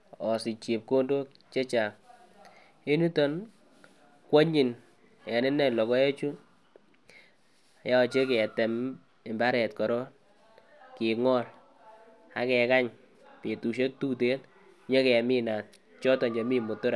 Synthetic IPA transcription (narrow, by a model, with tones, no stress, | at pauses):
ɔ˨si˨t͡ʃi˨p̚ko˦ndo˦ | t͡ʃe˦t͡ʃa˨ŋ | e˦ni˦tɔ˦n | kwɔ˦ɲi˨n | ɛ˨nɪ˦nɛ˦˨lɔ˨kɔ˦je˦t͡ʃu˦˨ | ja˦ɔ˨t͡ʃe˦ke˨ɛ˨tɛ˨m | ɪ˨mba˦ɾɛ˨tkɔ˨ɾɔ˦ | kɪ˨ŋɔ˦l | a̰˨˦kɛ˨ka˦ɲ | pe˨tu˨ʃ̬e˦k̚tu˦te˦t | ɲe˦kɛ˨a˨mi˦na˨t̚ | t͡ʃɔ˦tɔ˨nd͡ʒa˨mi˦mʊ˨tʊ˦ɾa˨